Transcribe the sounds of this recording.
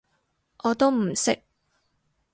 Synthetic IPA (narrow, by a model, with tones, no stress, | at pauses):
ʔɔː˨˧t̪o˥wm̩˨˩sɪ˥k̚